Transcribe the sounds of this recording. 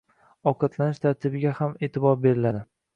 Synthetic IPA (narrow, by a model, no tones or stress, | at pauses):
ɒqɑt̪ʰlanɪʃt̪ʰaɾt̪ʰɪbɪɡʲahamet̪ʰɪbɒɾbe̞ɾɪlad̪ɪ